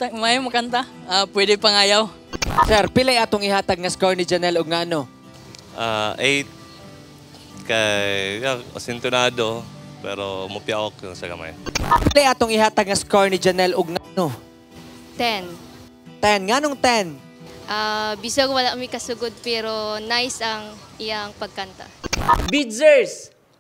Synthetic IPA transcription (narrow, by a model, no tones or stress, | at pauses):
t̪ɐmajɐmɐkɐnt̪aapwɛːd̪ɪpɐŋaːjaw | sɛɾpɪlajʔaːt̪oŋɪhaːt̪ɐɡ̚ŋɐskoɹnɪd͡ʒɐnɛloɡ̚ŋaʔɐno | ʔaʔejt̪̚ | kajjjao̰sɪnt̪ʊnaːd̪opɛ̰ɾomɐpjaʔok̚jʊŋsɐɡɐ̰ma̰japɪlɛʔat̪oŋɪɦat̪ɐɡ̚ŋɐskoɹnɪd͡ʒɐnɛloɡ̚ŋaʔno | t̪ɛn | t̪ɛnŋanoŋt̪ɛn | ʔabisoɡwɐlaʔmɪkɐsʊɡod̪̚pɛːɾonajsɐŋ | ɪjaŋpɐɡ̚kɐnt̪a̰bidzɛɹs